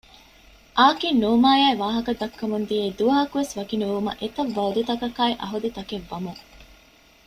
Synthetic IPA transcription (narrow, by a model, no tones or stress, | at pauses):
ʔaːkinːuːmaːjaːiʋaːɦɐkɐd̪ɐkːɐmund̪ijeːd̪uʋɐɦɐkuʋesʋɐkinuʋumɐ̰ʔet̪ɐʋːɐud̪ut̪ɐkɐkaːiʔɐ̰ɦud̪it̪ɐkeʋːɐmuŋ